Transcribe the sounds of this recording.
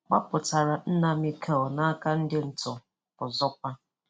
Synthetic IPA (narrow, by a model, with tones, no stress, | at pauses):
k͡pa˦pʊ˨ta˨ɾa˨n̩˦na˦mi˦kʰe˦ɔ˨na˦a˦ka˦n̩˦dɪ˦n̩˨tʊ˨ | pʊ˨zɔ˦k͡pa˦